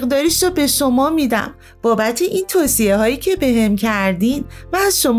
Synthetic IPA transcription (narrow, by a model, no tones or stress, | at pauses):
ɣd̪ɒːɾiːʃɾɒːbe̞ʃo̞mɒːmid̪æ̰m | b̥ɒːbæt̪ʰeʔiːnt̪ʰoːsie̞ɦɒːjiːcʰe̞be̞ɦe̞mcʰæɾd̪invæːz̥ʃo̞m